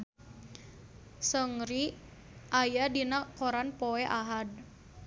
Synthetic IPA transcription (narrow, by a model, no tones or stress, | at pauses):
səŋɾi | ʔajadinakoɾanpoɛʔaɦad̚